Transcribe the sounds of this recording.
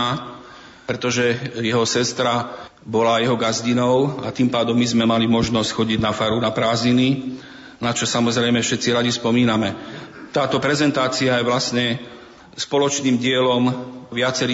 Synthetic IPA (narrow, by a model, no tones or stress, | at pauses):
a | pɾɛt̪ɔʒɛjɛɦɔsɛst̪ɾa | bɔlajɛɦɔɡazɟinɔʊa̰t̪impaːd̪ɔmːizmɛmalimɔʒnɔscxɔɟiɟnafaɾunapɾaːzɲini | nat͡ʃɔsamɔzɾɛjmɛfʃɛt̪t͡siɾaɟispɔmiːnamɛt̪aːt̪ɔpɾɛzɛnt̪aːt͡siajɛʋlasɲɛ | spɔlɔt͡ʃniːmɟɪɛlɔmʋɪat͡sɛɾiː